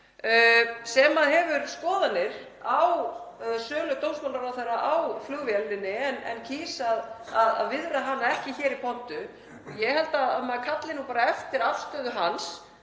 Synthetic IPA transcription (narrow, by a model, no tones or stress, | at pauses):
sɛmaðɦɛvʏɾskɔːðanːɪɾ̥ | awsœːlʏt̪owmsmanaɾaθeɾaʔawflʏɣvjɛlːɪnːɪɛnʔɛ̰ncʰiːsaðaða̰ðvɪðɾaɦanːaɛhcɪçɛːɾipʰɔn̥t̪ʏ | jɛɦɛlt̪aðamakʰat̪lɪnupaːɾaɛft̪ɪɾafst̪œːðʏɦans